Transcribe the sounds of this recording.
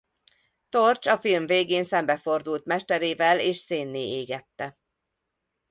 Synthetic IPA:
t̪o̞rt͡ʃɒfilmveːɡeːnsɛmbɛfo̞rd̪ult̪mɛʃt̪ɛɾeːvɛleːʃseːnːeːeːɡɛt̪ːɛ

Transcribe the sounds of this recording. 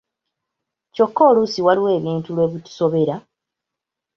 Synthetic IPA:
co̞kːoːlusiwaliwe̞ːβiːntulwe̞ːβitu̥so̞βe̞ɾa

